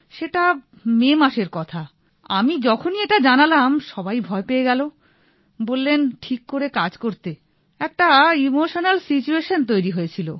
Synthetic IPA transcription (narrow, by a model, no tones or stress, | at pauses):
ʃeʈa | memaʃeɾkɔt̪ʰa | a̰mid͡ʑɔkʰonieʈad͡ʑanalamʃɔbajbʱɔepeeɡɛlo | bolːenʈʰikːoɾekad͡ʑkoɾt̪e | ɛk̚ʈaimoʃonalsit͡ɕueʃont̪̬ojɾiɦojet͡ɕʰilo̰